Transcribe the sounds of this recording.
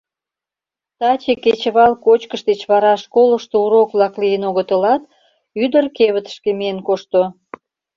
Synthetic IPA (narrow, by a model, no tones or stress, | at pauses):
t̪ɑt͡ɕeket͡ɕəβɑlkot͡ɕkəʃd̪et͡ɕβɑɾɑʃkoləʃt̪ouɾokβlɑklijənoɣət̪əlɑt̪̚ | yd̪ərkeβət̪ə̥ʃkemijenkoʃt̪o